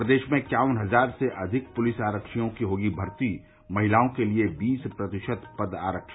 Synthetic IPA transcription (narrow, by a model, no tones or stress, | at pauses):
ɾəd̪eːʃmẽkjaːwənɦɐzaːɾseʔɐd̪ʱɪk̚pʊlɪsaːɾəkʃijõkiɦoːɡibʱɐɾt̪i | mɐɦɪlaːõkeliebiːspɾɐt̪ɪʃət̪pɐd̪a̰ːɾəkʃ